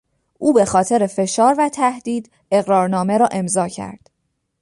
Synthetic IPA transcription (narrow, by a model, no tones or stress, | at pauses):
ʔuːbe̞xɒːt̪ʰe̞ɾefe̞ʃɒːɾvæt̪ʰæhd̪iːd̪ | e̞ɣɾɒːɾnɒːme̞ɾɒːʔe̞mzɒːcʰæ̰ɾd̪̥